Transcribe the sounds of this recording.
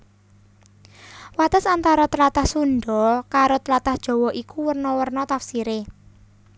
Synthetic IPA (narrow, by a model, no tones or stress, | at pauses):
wat̪əsant̪aɾɔt̪əlat̪ahsunɖ̪ɔkaɾot̪əlat̪ahd̥ʒ̥ɔ̤wɔʔikuwərnɔwərnɔt̪afsiɾe